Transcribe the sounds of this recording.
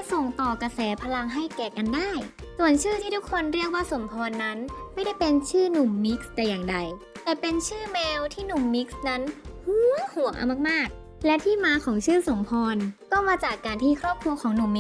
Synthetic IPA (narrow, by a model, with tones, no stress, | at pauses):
a˥˩so˨˩ŋt̪ɔː˨˩ka˧sɛː˩˦pʰa˧la˧ŋɦa˥˩jkɛː˨˩ka˧ndaː˥˩jsu˨˩ənt͡ɕʰɯː˥˩t̪ʰiː˥˩t̪ʰu˦˥kʰːo˧nɾi˥˩ək̚waː˥˩so˩˦mpʰɔː˧nːa˦˥nma˥˩jda˥˩jpe˧nt͡ɕʰɯː˥˩nu˨˩mːi˦˥k̚st̪ɛː˨˩jaː˨˩ŋda˧j | t̪ɛː˨˩pe˧nt͡ɕʰɯː˥˩mɛː˧wt̪ʰiː˥˩nu˨˩mːi˦˥k̚sna˦˥nhuː˧˥hu˨˩əŋʔa̰˧˩maː˥˩maː˥˩k̚ | lɛ˦˥t̪ʰiː˥˩maː˧˥kʰɔː˩˦ŋt͡ɕʰɯː˥˩so˨˩˦ŋpʰɔː˧nkɔː˥˩maː˧t͡ɕaː˨˩kːaː˧nt̪ʰiː˥˩kʰɾɔː˥˩p̚kʰɾu˧əkʰɔː˩˦ŋnu˨˩mːi˦˥